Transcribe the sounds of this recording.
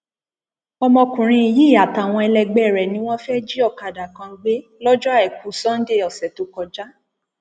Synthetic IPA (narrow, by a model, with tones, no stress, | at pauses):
ɔ˧mɔ̃˧kũ˨ɾ̃ĩ˧i˨ji˦i˦˨a˨ta˨w̃ɔ̃˧ɛ˧lɛ˧ɡ͡bɛ˦˨ɾɛ˨nĩ˨˦w̃ɔ̃˦fɛ˦d͡ʒi˦ɔ˦˨ka˨da˨kã˧˦ɡ͡be˦lɔ˦d͡ʒɔ˦a˦˨ɛ˨k̚u˨sɔ̃˦n̩˦de˦˨ɔ˨sɛ˨to˨˦kɔ˧d͡ʒa˦